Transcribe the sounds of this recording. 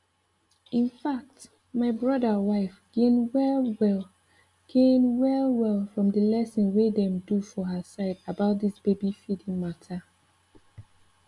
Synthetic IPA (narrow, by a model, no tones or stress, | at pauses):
ĩnfak̚t | maɪbɹɔdəwaɪfɡ̥ẽnwɛwɛl | ɡ̥ẽnwɛlˠwɛlˠfɹɔ̃mdəlɛsĩnwedɛ̃mdufɔɦəsaɪdabaʊt̚disb̥ebifidĩŋmatʰa